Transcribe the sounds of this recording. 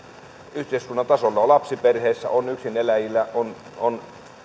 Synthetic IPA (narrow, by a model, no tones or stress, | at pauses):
yht̪eˑiskunːɑnt̪ɑsolːɑolɑpsiperheːsːæ̰ʔonyksinelæjilːˑæon | on